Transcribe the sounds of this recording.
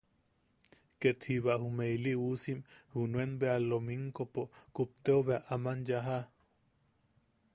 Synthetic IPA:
ket̪hiβaʔhumeiliʔusimhunuenbealːomiŋkopokup̚t̪eoβeaʔamanjaɦa

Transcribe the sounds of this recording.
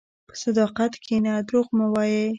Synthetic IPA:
pə̥sad̪ɑqat̪kʰenad̪ɾoɣmuwɑje

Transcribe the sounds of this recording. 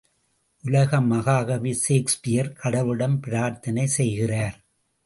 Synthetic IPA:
ʔʊlɐɣɐmɐɣaːɣɐʋiseːkspɪjɐɾkʰɐɽɐʋɯɽɐmpɪɾaːɾt̪ɐnɐɪsɛjɣɪraːɾ

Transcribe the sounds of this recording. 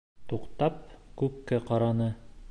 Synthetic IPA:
t̪uqt̪ɑp̚kʉpkæqɑɾɑnɤ

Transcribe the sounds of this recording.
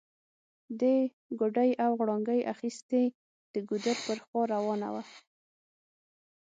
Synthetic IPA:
d̪e | ɡoɖajawɣɽɑŋɡəjʔa̰xist̪e | d̪̥əɡud̪əɾpəɾxwɑɾawɑna̰wa

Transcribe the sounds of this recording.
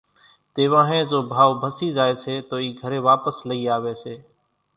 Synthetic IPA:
t̪eːʋãːɦẽːzoːbʱaːʋbʱəsiːzaːeːseːt̪oːiːɡʱəɾeːʋaːpəsləiːaːʋeːseː

